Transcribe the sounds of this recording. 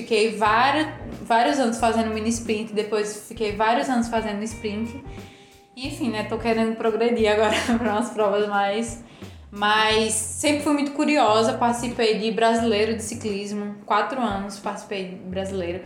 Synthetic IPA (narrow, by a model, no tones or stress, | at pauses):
fikejvaɾjʊvaɾijʊzɐ̃nʊsfazẽnd̪ʊmĩnispɾĩnt̪ɪd̪epojsfikejvaɾiʊzɐ̃nʊsfazẽnd̪ʊnispɾĩnt̪ɪ | iẽfĩnɛt̪okeɾẽnd̪ʊpɾoɡɾed̪iaɡɔɾɐpɾɐũmɐspɾɔvɐzmajs | majsːẽmpɾɪfojmũj̃t̪ʊkuɾiɔzɐpaɾt̪i̥sipejd̪ɪbɾazilejɾʊd̪ɪsiklizmʊkwat̪ɾʊɐ̃nʊspaɾt̪isi̥pejd̪ɪbɾazilejɾʊ